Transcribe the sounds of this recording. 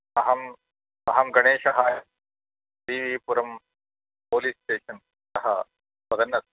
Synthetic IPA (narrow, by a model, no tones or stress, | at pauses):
ɐɦɐm | ɐɦɐmɡɐɽeːʃɐɦaːjɐt̚ | ʈiːʋiːpuɾɐm | poːliːsʈeːʃɐn | sɐɦɐ̰ | pɐd̪ɐnːɐs